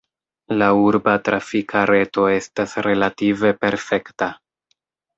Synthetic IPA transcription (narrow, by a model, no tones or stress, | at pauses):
lauɾbatɾʔafikʰaɾe̞to̞e̞stasɾe̞lative̞pe̞ɾfe̞kta